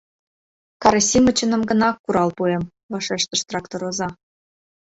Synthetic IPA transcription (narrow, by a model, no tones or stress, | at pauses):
kɑɾosʲimə̆t͡ɕə̆nə̆mɡə̆nɑkːuɾɑlpuem | vɑʃeʃt̪ə̆ʃt̪rɑkt̪oɾozɑ